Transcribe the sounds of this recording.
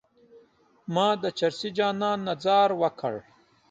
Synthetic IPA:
mɑːd̪ət͡ʃɐɾsid͡ʒaːnãːnːɐzaːɾwɐkʰɐ̰ɽ

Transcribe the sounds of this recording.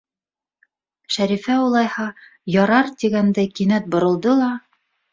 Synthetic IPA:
ʃæɾifæulˠɑjhɑ | jɑɾɑɾt̪iɡænd̪æjkinæt̪̚bŏɾɤ̆lˠd̪ɤlˠɑ

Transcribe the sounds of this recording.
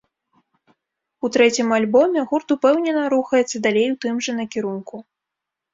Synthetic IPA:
ut̪ɾɛt͡sʲimalʲbɔmʲɛɣurt̪upɛwnʲɛnɐɾuxɐjɛt̪sːɐd̪alʲejwt̪ɨmʐɐnɐkʲiɾunku

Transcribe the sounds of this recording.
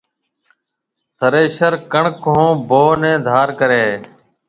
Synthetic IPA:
t̪ʰəɾeːʃəɾkəɳkõːboːnẽːd̪ʱaːɾkəɾeː

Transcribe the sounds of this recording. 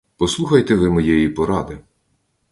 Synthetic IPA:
pɔslˠuxɐjt̪ɛʋɪmɔjɛjipɔɾɑd̪ɪ

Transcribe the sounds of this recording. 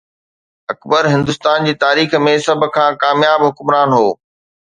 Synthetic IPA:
ɐkbəɾɦɪ̃nd̪ʊst̪aːnd͡ʑiːt̪aːɾiːxmẽsɐbʱʊ̆kʰãːkaːmjaːbɦʊkmɾaːnɦoː

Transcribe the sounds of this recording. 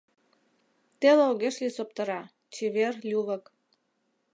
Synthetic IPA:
t̪eleoɣeʃlisop̚t̪ɤ̆ɾɑ | t͡ɕeβerlʲuβə̆k

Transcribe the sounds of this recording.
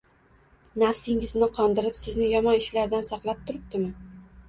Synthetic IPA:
nafsɪŋɪznɪqʰɒnd̪ɪɾɪpsɪznɪjɒmɒnɪʃlaɾd̪ansɑqlˠap̚t̪ʰʊɾɪp̚t̪ɪmɪ

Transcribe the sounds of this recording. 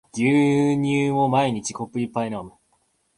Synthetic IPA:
ɡ̥ʲɨːɲ̟ɨːmo̞maiɲ̟it͡ɕi̥ko̞pːɯ̟ipːainam

